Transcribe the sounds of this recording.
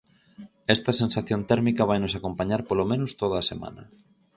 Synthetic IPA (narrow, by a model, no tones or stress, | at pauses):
ɛst̪ɐsẽnsaθjont̪ɛɾmikɐβajnʊsakompaɲaɾpolomẽnʊst̪oðɐːsemã̰nɐ̰